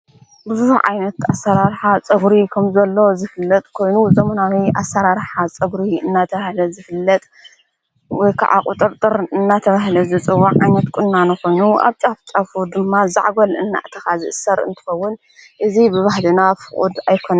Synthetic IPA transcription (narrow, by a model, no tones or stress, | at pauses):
bɨzuhuʕa̰jnɐt̪asːɐɾaɾħat͡sʼɐɡɾikʰɐmzɐlːo̞zɨfɨlːɐt̪ʼkʰo̞jnuzɐmɐnawiʔa̰sɐɾaɾħat͡sʼɐɡɾiɨnːat̪ʰɐβahlɐzɨfɨlːɐt̪ʼ | wɔjkʰa̰ʕa̰kʼʊt̪ʼɨɾt̪ʼɨɾɨnːat̪ʰɐβaɦlɐzɨt͡sʼɨwːaʕajnɐt̪kʼʊnːanukʰo̞jnuʔa̰βt͡sʼaft͡sʼafud̪ɨmːaza̰ʕɡolɨnːa̰ʔt̪ʰɐxazɨʔɨsɐɾɨ̰nt̪ʰɨ̥xɐwːʊn | ʔɨzibɨβahlɨnafɨχʼṵd̪ajkʰonɐ